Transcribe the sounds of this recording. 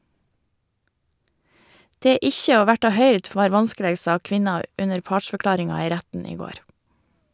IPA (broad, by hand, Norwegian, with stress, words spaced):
ˈdeː ˈɪçə ˈoː ˈʋæʈɑ ˈhœʏɾd ˈʋɑːɾ ˈʋɑnskəˌleːɡ ˈsɑː ˈkʋɪnɑ ˈʉnəɾ ˈpɑːʈʃfœˌklɑːɾɪŋɑ ˈiː ˈɾætn̩ ˈiː ˈɡoːɾ